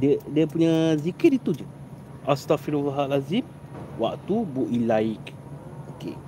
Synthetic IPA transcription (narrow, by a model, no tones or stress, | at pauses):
dədiəpuɲazikit̪̚it̪ud͡ʒə | ʔast̪afiɾovaɦaʔlazim | wa̰k̚t̪ubuʔilaik | okḛ